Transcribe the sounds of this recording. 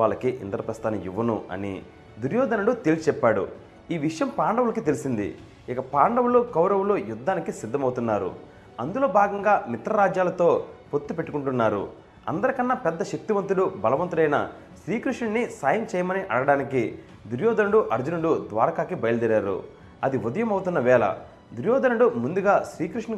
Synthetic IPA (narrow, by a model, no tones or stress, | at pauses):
aːɭlːɐkiʔḭnd̪ɐɾɐpɾɐst̪aːnɐjuʋːɐnuɐ̰nḭ | d̪uɾjɔːd̪ɐnɐɽut̪eːlst͡ʃɛpːaːɽṵ | iːʋiʂɐjɐmpaːɳɖɐʋulɐkit̪e̞lisind̪ḭ | ikɐpaːɳɖɐwulukɐwɾɐwulujud̪ːaːnikisid̪ʱːɐmɐwut̪unːaːɾṵ | ɐnd̪ulo̞ːbʱaːɡɐŋɡaːmit̪ɾɐɾaːd͡ʒjaːlɐt̪o̞ːpot̪ːupe̞ʈːukuɳʈunːaːɾṵ | ɐ̰nd̪ɐɾɐkɐnːɐpɛd̪ːɐʃek̚t̪iʋɐnt̪̬uɽubɐlɐʋɐnt̪uɽɐjnɐ̰ | ʃɾiːkɾiʂɳɐnisaːjɐmt͡ʃɛːjɐmɐniʔɐɽɐɐɽaːniki | d̪uɾjɔːd̪ɐnɐɽuʔɐɾd͡ʒunɐɽud̪ʋa̰ːɾɐkaːkibɐjɐlɐd̪iɾaːɾṵ | ɐd̪iʋud̪ɐjɐmɐwt̪unːɐʋɛːlɐ̰ | d̪uɾjɔːd̪ɐnɐɽumund̪uɡaːʃɾiːkɾiʂnɐ